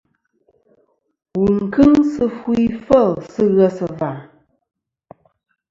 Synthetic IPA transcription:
wu˨ŋ˨kɨ˦ŋsɨ˦fu˦i˦fə˦˨lsɨ˦ɣə˦sɨ˨va˨ɾ

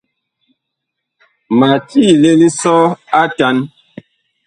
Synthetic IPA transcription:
ma˨tiː˦˨le˦li˦sɔ˦a˦ta˨˦n

